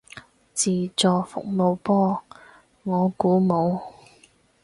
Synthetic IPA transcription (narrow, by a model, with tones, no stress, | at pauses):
t͡siː˨˩t͡sɔː˨fʊ̰˨k̚mo˨˧wpɔː˥ | ŋɔː˨˧kuː˨˥mo˨˧w